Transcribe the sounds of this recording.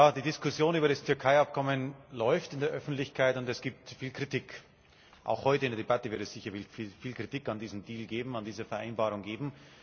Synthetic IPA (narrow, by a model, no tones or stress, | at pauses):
jaːdiːdɪskʊsjoːnyːbɐɾastʰʏɐkʰaɪap̚kʰɔmənlɔʏftɪndeɐʔœfn̩tlɪçkʰaɪtʊntɛsɡ̥iːp̚tfiːlkʁ̥itik | ʔa̰ʊxhɔʏtəɪndeɐdebatəvɪɐtɛsz̥ɪçɐfifiːlkʁ̥itiːkandiːzn̩diːlɡeːbm̩andiːzəfɛɐʔa̰ɪnbaːʁʊŋɡeːbm̩